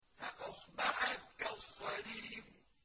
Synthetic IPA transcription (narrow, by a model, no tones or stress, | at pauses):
faʔɑsˤbɑʕat̪̚kɑsˤːɑɾiːb